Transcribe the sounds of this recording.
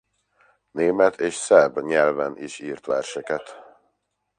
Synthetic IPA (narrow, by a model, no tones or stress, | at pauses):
neːmɛt̪ʰeːʃsɛbɲɛlvɛnʔḭʃiːrt̪ʋɛrʃɛkɛt̪